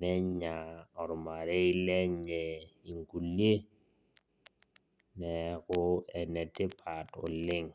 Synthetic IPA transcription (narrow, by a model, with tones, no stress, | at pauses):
nɛ˦ɲ˦ɲa˨ɔ˨ɾʊ˨ma˨ɾe˦i˦lɛ˦ɲ˦ɛ˦i˨ŋku˨le˦ | nɛ˨kʊ˦ɛ˨nɛ˨tɪ˦pʰa˨tʊ̰˨lɪ˦ŋ˨